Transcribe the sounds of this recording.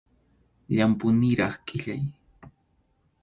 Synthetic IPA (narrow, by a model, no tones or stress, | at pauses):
ʎampʊnɪɾɑχkʼɪʎaj